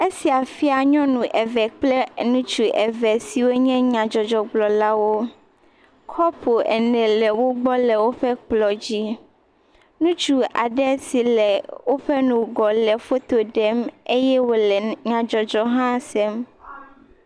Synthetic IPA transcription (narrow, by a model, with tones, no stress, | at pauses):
e˦si˨a˨fi˦a˨ɲɔ̃˦nũ˨ʔɛ˨vɛ˨k͡plɛ˦nũ˦t͡ʃu˨ʔɛ˨vɛ˨si˨wo˦ɲɛ̃˦ɲã˨d͡ʒɔ˨d͡ʒɔ˨ɡ͡blɔ˨la˦wo˦ | kʰɔ˦pʰo˨ʔɛ̰˨nɛ̃˨lɛ˨wo˦ɡ͡bɔ˦lɛ˨wo˦ɸɛ˦k͡plɔ˨d͡ʑi˦ | nũ˦t͡ʃu˦a̰˨ɖɛ˦si˨lɛ˨wo˦ɸɛ˦nũ˨ɡɔ˨lɛ˨fo˦t̪o˨ɖɛ˦me˦jɛ˦wo˨lɛ˨ɲã˨d͡ʒɔ˨d͡ʒɔ˦ɦã˦sɛ˦m